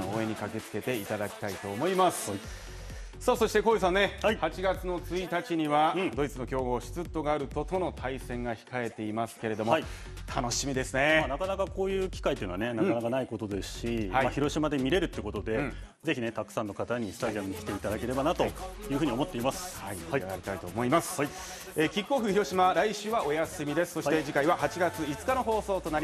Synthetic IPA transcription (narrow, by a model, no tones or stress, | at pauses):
ooːẽ̞ɲ̟ikake̞t͡sɨ̥ke̞t̪e̞it̪ad̪akʲi̥t̪ait̪o̞ːmo̞imasɨ̥ | soːso̞ɕi̥t̪e̞koːjis̬ãnːe̞haihat͡ɕiɡat͡sɨno̞t͡sɨit̪at͡ɕiɲ̟iβãd̪o̞it͡sɨno̞kʲo̞ːɡoːɕi̥t͡sɨt̪ːo̞ɡaːɾɯ̟t̪o̞t̪o̞no̞t̪ʰaisẽ̞ŋɡaçi̥kae̞t̪e̞imasɨ̥ke̞ɾe̞d̪o̞moai | t̪ʰano̞ɕimʲid̪e̞sɨneanakanakakʰo̞ːjɯ̟ːkʲi̥kait̪eiːnoane̞naanakanaiko̞t̪o̞d̪e̞sɨ̥ɕihaimaçiɾo̞ɕimad̪e̞mʲiɾe̞ɾɯ̟t̪ːeɯ̟ko̞t̪o̞d̪ẽ̞ | d͡ze̞çʲinet̪akɯ̟̥sãnːokat̪aɲ̟isɨ̥t̪aʑiamɯɲikʲi̥t̪e̞it̪ad̪ake̞ɾe̞banat̪o̞jɯ̟ːɸɯ̟ɲio̞mo̞t̪ːe̞imasɨ̥haiaɾʲit̪ait̪o̞ːmo̞imasɨ̥ | eːkʲikːoːɸɯ̟çiɾo̞ɕimaɾaiɕɨːβaʔo̞jasɨmʲid̪e̞sɨ̥so̞ɕit̪eʑikaiβahat͡ɕiɡat͡sɨit͡sɨ̥kano̞ɦo̞ːso̞ːt̪o̞naɾʲi